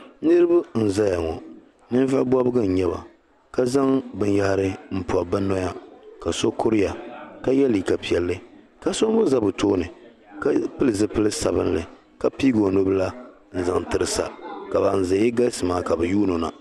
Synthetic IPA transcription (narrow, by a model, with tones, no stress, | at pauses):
nɨ˦ɾɨ˦ba˦n̩˨za˦ja˨ŋɔ˨ | nɨ˦n˦va˦bɔ˦bɨ˦ɡɨ˦n̩˨ɲɛ˦ba̰˨ | ka˦za˦ŋbɨ˨n˦ja˦ɾɨ˦m̩˦pɔ˨ba˦nɔ˦ja˦ka˨so˦kʊ˦ɾɪ˦ja˨ka˦jɛ˦li˨ka˨pi˨ɛ˨lːɨ˦ | ka˦so˦ŋ˦mʊ˦za˦bɨ˨toː˦nɨ˨ | ka˦pɨ˦lɨ˨zɨ˦pɨ˦lɨ˦sa˨bɨ˦n˦lɨ˨ | ka˦piː˦ɡo˨no˦bla˦ | n̩˨za˨ŋtɨ˨ɾɨ˨sa̰˨ka˨ba˨n˨zɨ˨˦ɪ˦ɡa˦lsɨ˨maː˨˦ka˨bɛ˨juː˦no˨na̰˨